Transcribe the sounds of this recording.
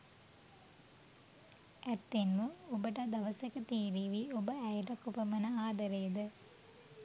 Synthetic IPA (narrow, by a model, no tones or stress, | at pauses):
æt̪ːenməobəʈɐd̪ɐʋɐsekət̪iːɾiːʋiobəæjʈɐkupəmɐnəaːd̪ɐɾejd̪ə